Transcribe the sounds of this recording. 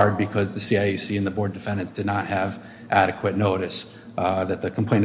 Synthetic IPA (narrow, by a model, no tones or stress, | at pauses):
ɹd̚bɨkʰʌzðɨsiaɪisiɨ̃nðəbɔɹdɨfɛ̃ndɨ̃ntsd̥ɨdⁿnət̚hɨv | ʔæɾɨkʰwɨtⁿnoʊɾɨs | ðɨt̪̚ðɨkʰm̩pʰl̥ẽɪ̃n